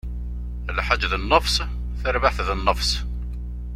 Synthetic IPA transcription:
lħad͡ʒːðənːəfsˤ | θəɾvaħθðənːəfsˤ

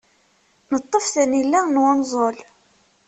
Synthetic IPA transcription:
nət̪ˤːəfθənilːænwənzˤol

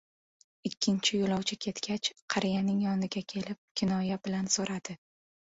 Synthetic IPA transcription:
ɪkʲʰːɪnt͡ʃʰɪjolˠɒwt͡ʃʰɪkʲʰe̞t̪kʲat͡ʃqʰɑɾɪjanɪŋjɒnɪɡʲakʲʰe̞lɪp̚kʲʰɪnɒjabɪlansoɾad̪̥ɪ

